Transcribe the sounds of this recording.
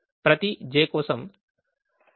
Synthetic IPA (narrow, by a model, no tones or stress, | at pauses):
pɾɐt̪id͡ʒeːkoːsɐm